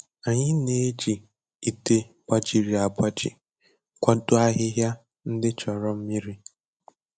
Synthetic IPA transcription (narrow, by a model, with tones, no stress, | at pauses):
a˨ɲɪ˦ne˦d͡ʒi˨ | i˨te˦ | ba˦d͡ʒi˨ɾi˨a˨ba˦d͡ʒɪ̰˨ | kʷa˦dʊ˦a˦ɦɪ˦ɦja˦ | n̩˦dɪ˦t͡ʃɔ˨ɾɔ˦m̩˦mi˦ɾi˦